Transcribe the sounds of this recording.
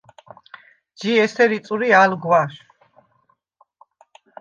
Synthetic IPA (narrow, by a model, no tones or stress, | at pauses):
d͡ʒiɛsʰɛɾit̪sʼuɾialɡwaʃ